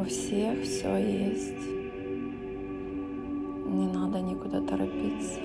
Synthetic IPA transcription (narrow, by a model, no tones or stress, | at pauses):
ʊfsʲexfsʲojesʲtʲ | nʲɪnad̪ənʲɪkʊd̪at̪ɐɾɐpʲit̪sə̥